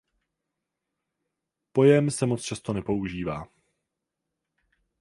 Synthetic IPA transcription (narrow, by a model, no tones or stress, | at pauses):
po̞jɛmsɛmo̞t͡st͡ʃast̪o̞nɛpo̞uʒiːvaː